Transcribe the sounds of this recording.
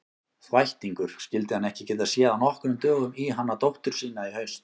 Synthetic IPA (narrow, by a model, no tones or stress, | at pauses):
θvajht̪iŋkʏɾ̥scɪlt̪ɪhanɛhcɪcɛt̪ːasjɛːanɔhkɾʏmt̪œːɣʏmiɦanːat̪owht̪ʏɾ̥siːnaihœɥst̪